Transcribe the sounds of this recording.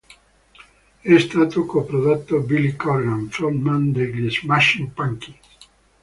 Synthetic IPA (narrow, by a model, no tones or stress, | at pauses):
ɛst̪aːt̪okopɾod̪at̪ːobilikɔɾɡanfolmand̪eɡesmaʃinpaŋkis